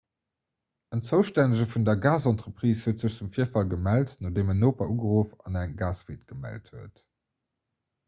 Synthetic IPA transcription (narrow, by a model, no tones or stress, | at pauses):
ənt͡səʊʃtænəʒəfundɐɡaːzɑntʁəpʁiːshəːtz̥əɕt͡sumfiːɐfɑlɡəmæltnodeːmənoːpɐʔuːɡəʁoːfɑ̰næŋɡaːsveːtɡ̥əmæ̰lthuət